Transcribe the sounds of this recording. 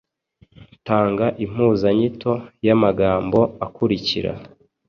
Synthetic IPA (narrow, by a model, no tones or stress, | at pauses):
taːŋɡaʔim̥huːzaɲitʰo̞jamaɡaːmbo̞akuɾiciɾa̰